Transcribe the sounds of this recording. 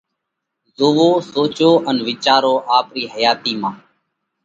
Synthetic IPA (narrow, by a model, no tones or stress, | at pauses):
zoːʋoːsoːt͡ʃoːʔənʋɪt͡ʃaːɾoːʔaːpɾiːhəjaːt̪iːmãː